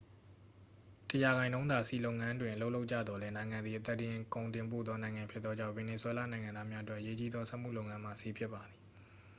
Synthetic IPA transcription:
təja˨ɣã˨ɪ̃ndõ˦ʊ̃nd̪a˨sḭ˦˨lo˦ʊʔŋã˦ndwɪ̃˨ʔə˨lo˦ʊʔlo˦ʊʔt͡ɕä̰˦˨d̪ðɔ˨lɛ˦nã˨ɪ̃ŋã˨nd̪i˨ʔə˨t̪ɛ˦ʔtɪ̃˨kõ˨ʊ̃ntɪ̃˨mp̬o̰˦˨ðɔ˦nã˨ɪ̃ŋã˨mpʰjɪ˦t̪t̪ːɔ˦d͡ʑã̰˦ʊ̃vɛ˨ne˨swɛ˦la̰˦˨nã˨ɪ̃ŋã˨nd̪a˦mja˦ʔətwɛ˦ʔəje˦t͡ɕi˦d̪ðɔ˦sɛ˦ʔm̥ṵ˦˨lo˦ʊʔŋã˦m̥a̰˨si˦˨pʰjɪ˦pːa˨d̪i˨

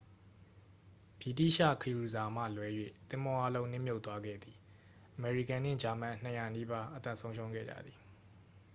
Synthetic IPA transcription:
b̥i˨tḭ˦˨ʃä̰˦˨kʰəju˨za˨m̥ä̰˦˨lwɛ˨˦jwḛ˦˨t̪ɪ̃˦mɔ˦ʔa˦lõ˦ʊ̃nɪ̃˦˨mjo˦ʊʔt̪ːwa˦ɡɛ̰˦˨d̪ði˨ | ʔəmɛ˨ɹi˨kã˨nɪ̰̃˦˨d͡ʑa˨mã̰˦˨n̥əja˨ni˦ba˦ʔət̪ã̰˦˨sʰõ˦ʊ̃ʃʰõ˦ʊ̃ɡɛ̰˦˨d͡ʑä̰˦˨d̪ði˨

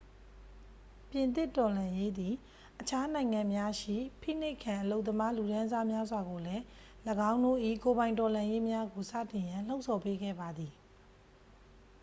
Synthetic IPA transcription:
pjɪ̃˨nt̪ɪ˦˨tɔ˨lã˨je˦d̪i˨ | ʔət͡ɕʰa˦nã˨ɪ̃ŋã˨mja˦ʃḭ˦˨pʰḭ˦˨n̥e˦ɪkʰã˨ʔəlo˦ʊt̪ːəma˦lu˨ɾã˦za˦mja˦zwa˨ɡo˨lɛ˦ | ləɡã˦ʊ̃ndo̰˦˨ʔḭ˦˨ko˨βã˨ɪ̃ntɔ˨lã˨je˦mja˦ɡo˨sa̰˦˨tɪ̃˨jã˨l̥o˦ʊʔsʰɔ˨pe˦ɡɛ̰˦˨ba˨d̪ði˨

